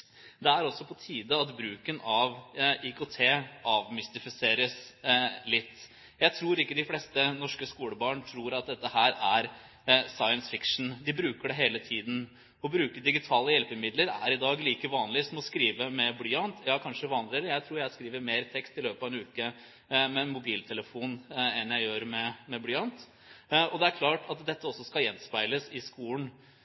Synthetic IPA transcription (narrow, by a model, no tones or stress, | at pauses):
d̪ɛæɾɔsːɔpʰɔt̪ʰiːd̪əɑt̪bɾʉːkənɑʋikʊt̪ʰeːʔɑːʋmɪst̪ɪfɪseːɾəslɪt̪ː | jæɪt̪ʰɾuːɾɪkːəd̪ɪflɛst̪ənɔʂkəskuːləbɑːɳt̪ʰɾuːɾɑt̪̚d̪ɛt̪ːəhæːɾæɾ | sɑɪənsfɪkʂɳn̩d̪ɪbɾʉːkəɖɛɦeːlət̪ʰiːd̪n̩ | ɔbɾʉːkəd̪ɪɡɪt̪ʰɑːləjɛlpəmɪd̪ləɾæ̰ɾɪd̪ɑːɡliːkəʋɑːnlɪsɔmɔskɾiːʋəmɛblyːɑnt̪jɑːkʰɑnʂəʋɑːnlɪɛləjæɪt̪ʰɾuːɾjæɪskɾiːʋəɾmeːɾt̪ʰɛkst̪ɪløːpɑʋɛnʉːkə | mɛmʊbiːlt̪ʰɛləfuːnɛnjæɪjøːɾmɛmɛblyːɑnt̪ | ɔd̪ɛæɾkʰlɑːʈɑt̪d̪ɛt̪ːəɔsːɔskɑjɛnspɑɪləsɪskuːln